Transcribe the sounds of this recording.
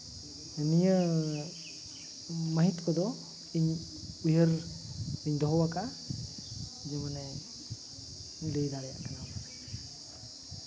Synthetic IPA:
ənijə | məɦit̪kɔd̪ɔ | iɲ | ujəɾ | iɲd̪ɔɦɔwaka | d͡ʒɛmanɛ | ləjd̪aɾɛja̰ʔkanam

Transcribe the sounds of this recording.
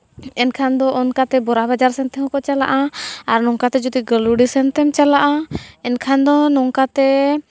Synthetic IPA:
ɛnkʰand̪ɔʔɔnkat̪ɛbɔɾabad͡ʒaɾsɛnt̪ɛɦɔ̃kɔt͡ʃala̰ʔaaɾnɔŋkat̪ɛd͡ʒut̪iɡəluɽisɛnt̪ɛmt͡ʃalaʔaɛnkʰand̪ɔnɔŋkat̪ɛ

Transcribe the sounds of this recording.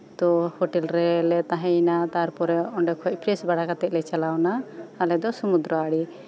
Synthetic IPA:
t̪ɔhɔʈɛlɾɛlɛt̪aɦɛ̃nat̪aɾpɔɾɛɔɳɖɛkʰɔc̚ˀpʰɾɛsbaɽakat̪ɛʔ̪̚lɛt͡ʃalawnaːlɛd̪ɔsumud̪ɾɔaɽi

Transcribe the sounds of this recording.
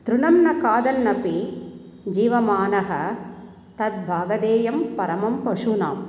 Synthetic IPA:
t̪ɾʊnɐmnɐkaːd̪ɐnːɐpi | d͡ʒiːʋɐmaːnɐɦɐ | t̪ɐt̪̚bʱaːɡɐd̪eːjɐmpɐɾɐmɐmpɐʂuna̰ːm

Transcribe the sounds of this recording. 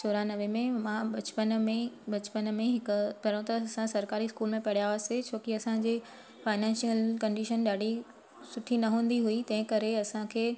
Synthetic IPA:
soːɾanɐʋemẽmãɓɐt͡ɕpənmẽɓɐt͡ɕpənmẽɦɪkʊpɐɾə̃t̪ɐɐsãsɐɾkaːɾiskuːlmẽpɐɽijaːʋaset͡ɕʰoːkiɐsãd͡ʑeː | faːɪnɛ̃ːnʃijəlkɐ̃ɳɖiʃənɗaːɽ̤ʱi | sʊʈʰinɐɦũːn̆d̪iɦuit̪ɐ̃ɦɪ̃kɐɾeɐsãkʰeː

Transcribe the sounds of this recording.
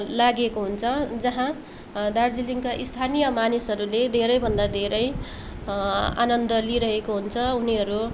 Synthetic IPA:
laɡekoɦunt͡sʰʌd͡zʌɦã | d̪ard͡ziliŋkaʔist̪ʰanijʌmanisɦʌɾuled̪ʱeɾʌjbʱʌnd̪ad̪ʱeɾʌj | a̰nʌnd̪ʌliɾʌɦekoɦunt͡sʰʌuniɦʌɾu

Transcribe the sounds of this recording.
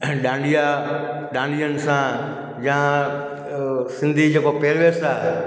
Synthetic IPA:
ɗãːɳɖijaː | ɗãːɳɖijənsãː | d͡ʒã | sɪ̃nd̪ʱid͡ʒeːkopeːɾʋeːsaː

